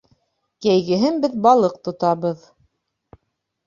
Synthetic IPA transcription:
kæjɡɘ̆ɦɘnbɘðbɑlˠɤq̚t̪ŏt̪ɑβɤð

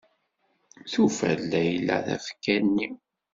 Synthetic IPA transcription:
θufælːæjlːæ̰θæ̰fkːænːi

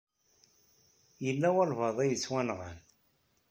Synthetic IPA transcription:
jəlːæwɑlvɑðˤæjət͡sːwænʁə̰n

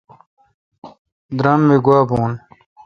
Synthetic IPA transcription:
d̪ɾɐmːeɡwaːbuːn

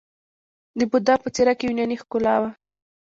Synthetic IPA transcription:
d̪əbʊd̪ɑpət͡seɾakejunjɑnixkʊlɑwa

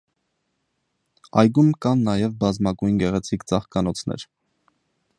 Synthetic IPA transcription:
ɑ̰jɡumkɑnːɑjɛvbɑzmɑɡujnɡɛʁɛt͡sʰikt͡sɑχkɑnɔt͡sʰnɛ̰ɾ

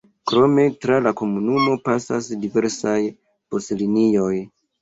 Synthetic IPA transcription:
kɾo̞me̞tɾalako̞munumo̞pasasdive̞ɾsaj | b̥o̞slinijo̞j

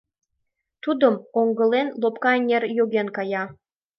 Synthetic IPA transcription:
t̪ud̪ə̆moŋɡə̆lenlopkɑenʲerjoɣenkɑjɑ

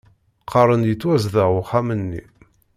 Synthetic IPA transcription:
qʰɑɾˤənjət͡sːwæzðəʊχamənːḭ

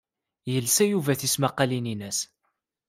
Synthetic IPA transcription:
jəlsæjuvæθismæqɑlininəs

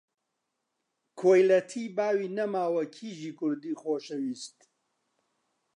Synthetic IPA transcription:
kʰoːjlɐt̪ʰiːbaːwiːnɐmaːwɐkʰiːʒiːkʰʊɾd̪iːxoːʃɐwiːst̪

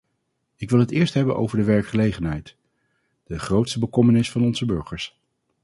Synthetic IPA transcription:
ɪkʋɪlˠɦətɪːɹstɦɛbənʔo̰wvəɹdəʋɛɹkχəlejχənɦɛjt | d̥əχrowtstəbəkɔmənɪsfɑnɔnzəbøɹχəɹs

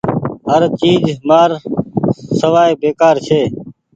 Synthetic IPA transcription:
ɦəɾt͡ʃiːd͡ʒmaːɾ | səʋaːebeːkaːɾt͡ʃʰeː

